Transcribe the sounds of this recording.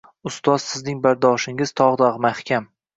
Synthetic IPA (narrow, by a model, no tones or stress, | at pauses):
ʊst̪ɒz̥sɪznɪŋbaɾd̪ɒʃɪŋɪz̥t̪ʰɒʁd̪aʁmahkʲam